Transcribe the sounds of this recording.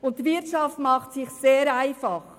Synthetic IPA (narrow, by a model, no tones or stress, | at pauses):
ʊnttʋɪɾtʃɑftmɑχtsɪχseːɾæɪfɑχ